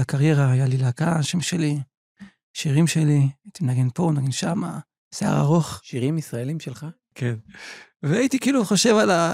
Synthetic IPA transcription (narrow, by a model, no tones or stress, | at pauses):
akaʁje̞ʁaajalilakaʃemʃe̞li | ʃiʁimʃe̞liait̪imenaɡenpo̞naɡenʃama̰ | sea̰ʁa̰ʁo̞χʃiʁimisʁaelimʃelχa | kʰenveait̪ikiːluχoʃe̞vala